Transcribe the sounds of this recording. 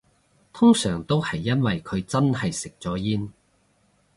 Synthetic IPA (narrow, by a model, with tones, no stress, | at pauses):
t̪ʰʊ˥ŋsœː˨˩ŋt̪o˥whɐ˨jːɐ˥nwɐ˨jkʰɵ˨˧ɥt͡sɐ˥nhɐ˨jsɪ˨k̚t͡sɔː˨˥jiː˥n